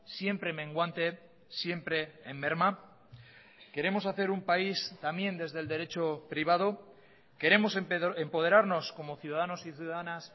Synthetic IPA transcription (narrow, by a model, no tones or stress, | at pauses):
sje̞mpɾe̞mẽ̞ŋɡwant̪e̞ | sje̞mpɾe̞ːmbe̞ɾma | ke̞ɾe̞mo̞saθe̞ɾumpaist̪amje̞nd̪e̞zðe̞ld̪e̞ɾe̞t͡ʃo̞pɾiβ̞að̞o | ke̞ɾe̞mo̞sempo̞ð̞e̞ɾaɾno̞sko̞mo̞θjuðaðano̞siθjuðaðanas